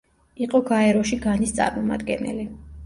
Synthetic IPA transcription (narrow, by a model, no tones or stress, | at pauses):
iqʼɔɡaɛɾɔʃiɡanist̪sʼa̰ɾmɔma̰d̪ɡɛ̰nɛ̰li